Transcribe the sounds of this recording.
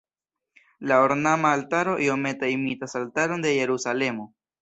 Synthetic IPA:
laoɾnamaːltaɾo̞ʔio̞me̞taimitasaltaɾo̞nde̞je̞ɾusale̞mo̞

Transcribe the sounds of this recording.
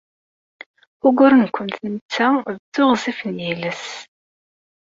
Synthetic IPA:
ʊɡʷʊɾənkʷːənθnət͡sːæðt͡sːʊʁzifənjiləs

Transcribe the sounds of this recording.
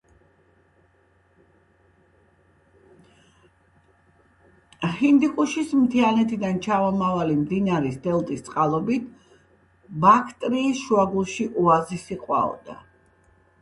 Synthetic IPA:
hind̪ikʼuʃismt̪ʰianɛt̪ʰid̪ant͡ʃʰavɔmavalimd̪inaɾisd̪ɛlˠt̪ʼist̪sʼqʼalˠɔbit̪ʰ | bakʰt̪ʼɾiːsʃuaɡulˠʃiʔuazisiqʼwa̰ɔ̰d̪̥a̰

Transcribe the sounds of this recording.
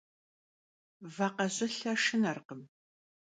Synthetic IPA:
vaqɐɕɪɬɐʂɨnɐrqəm

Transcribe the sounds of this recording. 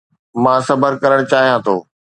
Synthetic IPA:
mãːsɐbʱəɾkɐɾəɽ̃t͡ɕaːɦijãt̪ʰo̰ː

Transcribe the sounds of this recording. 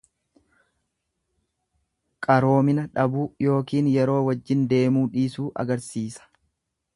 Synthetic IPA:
kʼɐɾo̞ːmɪnɐᶑɐbuːjo̞ːkiːnjɛɾo̞ːwɐd͡ʒːɪnd̪e̞ːmuːᶑiːsuːʔɐ̰ɡɐɾsiːsɐ̥

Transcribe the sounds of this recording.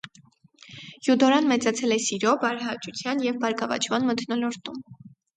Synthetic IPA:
jud̪ɔɾɑnmɛt͡sɑt͡sʰɛlɛsiɾɔbɑɾɦɑt͡ʃut͡sʰjɑnjɛvbɑɾkɑvɑ̰t͡ʃʰmɑnmət̪ʰnɔlɔɾt̪um

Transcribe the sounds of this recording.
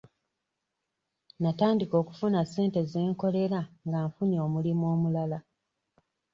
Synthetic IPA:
nataːndiko̞ːku̥funase̞ːnte̞ze̞ːŋko̞le̞ɾaŋɡaːɱfuɲoːmulimo̞ːmulala

